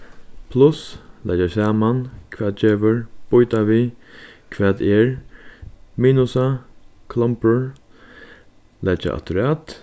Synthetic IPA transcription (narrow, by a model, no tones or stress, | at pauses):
pʰlʊslʔɛ̰d͡ʒasaːmankʰʋɛːd̪̚d͡ʒeːʋəɹb̥ʊjt̪aʋiːkʰʋɛːt̪ɛːɹ | miːnʊsakʰlɔmpəɹ | lʔɛd͡ʒa̰ʔa̰t̪ʊɾaːt̪